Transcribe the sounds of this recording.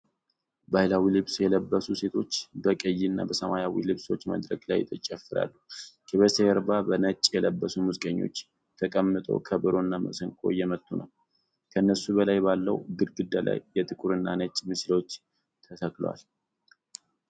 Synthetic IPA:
balawilɨβsjɛləbːəsuse̞t̪ʰo̞t͡ʃːbəkʼəjːinːa̰bəsəmajawḭlɨβso̞t͡ʃːmə̰d̪ɾə̰ɡla̰jt̪ʰːət͡ʃʼɛfːɨɾa̰lːukʰʼɛβeseəɾbabənət͡ʃʼːjɛləbːəsumuzɨkʼəɲːo̞̰t͡ʃː | t̪ʰəkʼəmːɨt̪ʼo̞̰kʰəbɨɾo̞nːamə̰səŋkʼo̞̰jɛmət̪ʼːunə̰w | kʰəɨnːəsubəlajbalːəwɡɨɾɡɨd̪ːala̰jːɛt̪ʰʼɨkʼuɾɨnːanət͡ʃʼmɨslo̞t͡ʃː | t̪ʰəsəkʼl̰wa̰l

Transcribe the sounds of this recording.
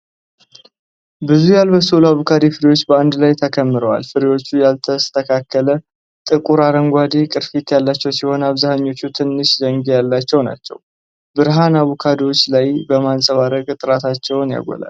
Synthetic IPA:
bɨzujalβəsulaβukʰad̪efɨɾiwo̞t͡ʃːbəand̪lajt̪ʰəkʰəmːɨɾəwa̰lfɨɾiwo̞t͡ʃːujalt̪ʰəst̪ʰəkʰakʰːələ | t̪ʼɨkʼuɾaɾəŋɡʷad̪ekʼɨɾfit̪jalːat͡ʃːɛwsiho̞nəaβzahaɲːo̞t͡ʃːut̪ʰɨnːɨʃzəŋɡejalːat͡ʃːɛwna̰t͡ʃːɛ̰w | bɨɾɦanaβukʰad̪wo̞t͡ʃːlajbəmansʼəβaɾəɡʼt̪ʼɨɾat̪ʰat͡ʃːɛwnja̰ɡʷɔ̰la̰l

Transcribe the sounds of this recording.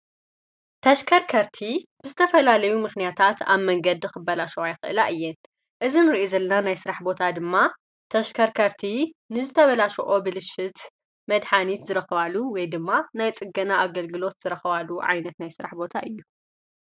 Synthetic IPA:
t̪ʰɐʃkʰɐɾkʰɐɾt̪ʰib̥ɨzɨt̪ʰɐfɐlalɐjumɨxnijat̪ʰat̪ʰa̰βmɐŋɡɐd̪ɨxɨbːɐlaʃɐajxɨʔɨlaʔɨjːɛn | ʔɨzinɨɾiʔozɐlːɐnanajsɨɾaħbo̞t̪ʰad̪ɨmːa | t̪ʰɐʃkʰɐɾkʰɐɾt̪ʰinɨzɨt̪ʰɐβɐlaʃɐ̰ʔo̞bɨlɨʃːɪt̪ | mɐd̪ħanit̪zɨɾɐxɐβaluwɔjd̪ɨmːanajt͡sʼɨɡɐnaʔaɡɐlɡɨlo̞t̪z̥ɨɾɐxɐβaluʕa̰jnɐt̪najsɨɾa̰ħbo̞t̪ʰaʔɨjːu

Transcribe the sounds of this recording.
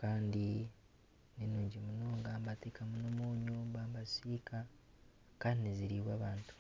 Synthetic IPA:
kaːndi | ninuːɲɟimunoːŋɡambateːkamunomoːɲuːmbambasika | kaːndiniziɾiβwaβaːntu̥

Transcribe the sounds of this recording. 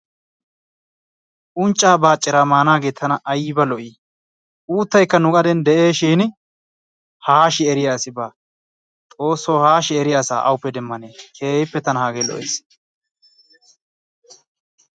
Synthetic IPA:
ʔʊnt͡ʃʼːaːbaːt͡ʃʼːɪɾaːmaːnaːɡe̞ːt̪ʰːɐnɐʔːjɪbɐlɔʔiː | ʔuːt̪ːɐjkːɐnʊkʼɐd̪ɛnd̪ɛʔeːʃiːnɪ | haːʃɪɛɾɪjaːsɪbaː | t̪ʼo̞ːsːoːhaːʃɪɛɾɪjaːsa̰ːʔɐwʊpːɛd̪ɛmːɐneːkʰeːhɪpːɛt̪ɐnɐhaːɡeːlɔ̰ʔeːs

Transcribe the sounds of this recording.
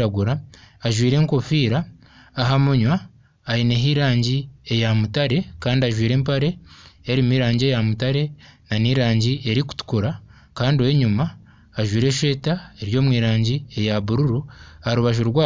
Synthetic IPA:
aɡuɾaːʒwiːɾe̞ːŋko̞fiːɾaː | ɦamuɲwaː | ɾineɦiɾaːɲɟiejamutaɾe̞kaːndiaʒwiːɾe̞ːmpaɾe̞ːɾimiːɾaːɲɟe̞jamutaɾe̞naniːɾaːɲɟie̞ɾiku̥tu̥kuɾa | kaːndioweɲumaː | ʒwiːɾe̞ʃe̞ːtaeɾjo̞ːmwiːɾaːɲɟie̞jaβuɾuɾuhaɾuβaʒuɾɡwaː

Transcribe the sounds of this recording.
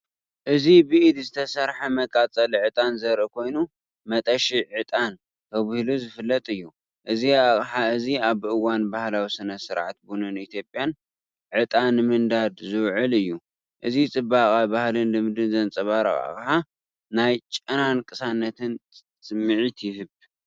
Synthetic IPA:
ʔɨzibɨʔid̪zɨt̪ʰɐsɐɾħamɐkʼat͡sʼɐliʕɨt̪ʼanzɐɾʔɨkʰo̞jnu | mɐt̪ʼɐʃiʕɨt̪ʼan | t̪ʰɐβɨhluzɨfɨlːɐt̪ʼɨjːu | ʔɨziaχʼħaɨziaβɨwanbahlawisɨnɐsɨɾʕat̪̚bunɨnit̪ʰjo̞pʼːjan | ʕɨt̪ʼanɨmɨnd̪ad̪zɨwʕɨlɨjːu | ʔɨzit͡sʼɨbaχʼabahlɨnlɨmd̪ɨnzɐnt͡sʼɐβaɾɐ̰χʼa̰χʼħa | najt͡ʃʼɐnankʼɨsanːɐt̪ʰɨn | t͡st͡sʼɨmːɨʕit̪ʰjɪhɨβ

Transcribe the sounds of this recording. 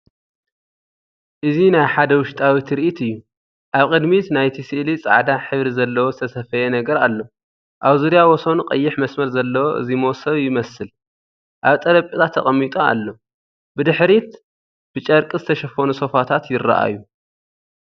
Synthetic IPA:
ʔɨzinajħad̪ɐwʊʃt̪ʼawit̪ʰɾiʔit̪ɨjːu | ʔaβkʼɨd̪mit̪najt̪ʰisɨʔlit͡sʼa̰ʕd̪aħɨβɾizɐlːɐwozɨt̪ʰɐsɐfɐjenɐɡɐɾalːo̞ | ʔaβzuɾjawɔso̞nuqʼɐjːɪħmɐsmɐɾzɐlːɐwoʔɨ̰zimowsɐβjɪmɐsɨl | ʔaβt̪ʼɐɾɐpʼit̪ʰat̪ʰːɐχʼɐmːit̪ʼoa̰lːo̞ | bɨd̪ɨħɾit̪ | b̥ɨt͡ʃʼɐɾkʼɨzɨt̪ʰɐʃɐfonuso̞fat̪ʰat̪jɪrːa̰ʔa̰jːu

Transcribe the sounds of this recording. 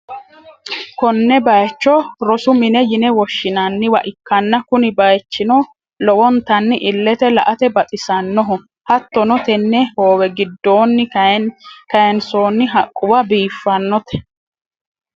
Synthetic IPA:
kɔnːɛbɐjt͡ʃːɔɾɔsʊmɪnɛjɪnɛwɔʃːɪnɐnːɪwɐʔɪkːɐnːɐkʊnɪbɐjt͡ʃːɪnɔ | lɔwɔnt̪ɐnːɪʔɪlːɛt̪ɛlɐʔɐt̪ɛbɐt̪ʼɪsɐnːɔɦʊ | hɐt̪ːɔnɔt̪ɛnːɛhoːwɛɡɪd̪ːoːnːɪ | kɐjɛnsoːnːɪɦɐkʼːʊwɐbiːfːɐnːɔt̪ɛ̥

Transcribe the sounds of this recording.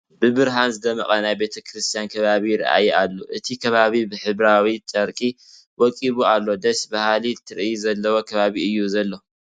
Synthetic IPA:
bɨbɨɾɦanzɨd̪ɐmɐχʼɐnajbe̞t̪ʰɐkʰɾɨst̪ʰijankʰɐβaβiɾɐ̰ʔa̰jalːoʔɨt̪ʰikʰɐβaβibɨħɨβɾawit͡ʃʼɐɾkʼi | wɔkʼiβualːo̞d̪ɐʃbahalit̪ʰɨɾʔizɐlːɐwo̞kʰɐβaβiɨjːuzɐlːo

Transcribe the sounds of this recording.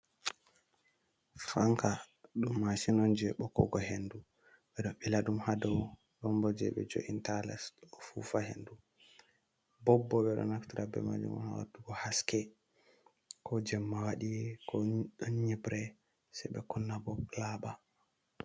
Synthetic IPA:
faŋka | ɗumːasinɔnd͡ʒɛɓɔkɔ̰ɡɔhendu | ɓɛɗɔmbilaɗumhadɔw | ɗɔmbɔd͡ʒɛ̰ɓɛ̰d͡ʒo̰ʔintalɛ̰sɔfufahḛndu | bɔbːɔɓɛɗɔ̰naktiɾabɛ̰ma̰d͡ʒṵmɔ̰nawa̰duɡɔhaskɛ | kʰɔd͡ʒɛmːawaɗiɛkʰɔɲibɾɛ | sɛɓɛkɔnːabɔlaɓa

